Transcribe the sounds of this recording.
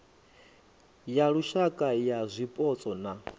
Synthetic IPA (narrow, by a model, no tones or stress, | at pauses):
jaɺuʃakʼajazʷipʼɔt͡sʼɔna